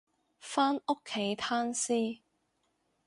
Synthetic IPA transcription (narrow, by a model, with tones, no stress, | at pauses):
faː˥no˥kʰːe˨˥jt̪ʰaː˥nsiː˥